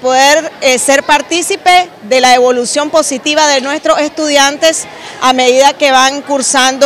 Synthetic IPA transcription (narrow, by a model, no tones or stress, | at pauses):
poðeɾse̞ɾpaɾt̪isipe̞ | ðe̞laeβo̞lusjo̞mpo̞sit̪iβaðe̞nwest̪ɾo̞se̞st̪uðjant̪e̞s | ame̞ðiðake̞βaŋkuɾsand̪o